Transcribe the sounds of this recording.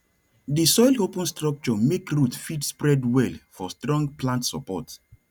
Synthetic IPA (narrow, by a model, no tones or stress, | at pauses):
disɔjlopə̃nstɹɔk̚t͡ʃɔmekɹutfidspɹɛdwɛlfɔstɹɔ̃ŋɡplãntsɔ̰pɔ̰t